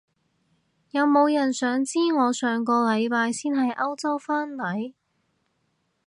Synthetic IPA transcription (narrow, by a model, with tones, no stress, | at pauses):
jɐ˨˧wmo˨˧wjɐ˨˩nsœː˨˥ŋt͡siː˥ŋɔː˨˧sœː˨˧ŋkɔː˧lɐ˨˧jpaː˧jsiː˥nɦɐ˨jʔɐ˥wt͡sɐ˥wfaː˥nlɐ˨˥j